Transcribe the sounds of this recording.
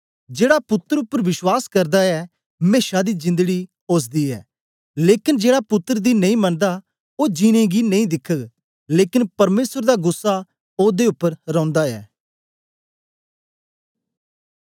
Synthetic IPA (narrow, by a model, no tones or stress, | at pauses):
d͡ʒeːɽapʊt̪ːəɾʊpːəɾʋɪʃwaːskɐɾd̪aɛː | meːʃad̪izɪ̃nd̪əɡi | oːs̬d̪iːɛ̰ː | leːkɪnd͡ʒeːɽapʊt̪ːəɾəd̪inɐ̃ĩːmɐnd̪a | oːd͡ʒiːñẽɡinɐ̃ĩːd̪ɪkʰəɡ | leːkɪnpɐɾmeːsəɾd̪aɡʊsːa | oːd̪eʊpːəɾɾɔ̃ʊ̃nd̪aɛ̰ː